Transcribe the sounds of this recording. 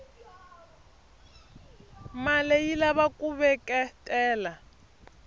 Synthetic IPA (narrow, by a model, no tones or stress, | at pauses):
malejilaβakʼuβɛkʼɛtʼɛːla